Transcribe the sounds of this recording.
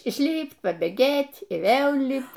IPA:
ɪʃʲˈlʲiːpʲtʲ pɐbʲeːˈɡʲeːtʲ iː ˈʋʲeːlˠ ˈlʲiːpt

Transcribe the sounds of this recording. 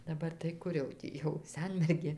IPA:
dɐˈbɐr tɐɪ ˈkʊr jɛʊ ˈtʲiː jɛʊ ˈsʲɛnʲmʲɛrʲɡʲeː

